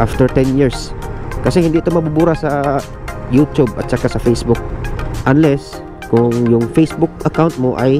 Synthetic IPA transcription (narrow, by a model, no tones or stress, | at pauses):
ʔaft̪əɹt̪ɛnjiɹskasehiɪnd̪ɪʔt̪omabubuɾasa | jut̪jʊb̚a̰t͡ʃakasafejsbʊk̚ʔanlɛs | kʊŋjʊŋfesbʊk̚akawnt̪̚moʔaj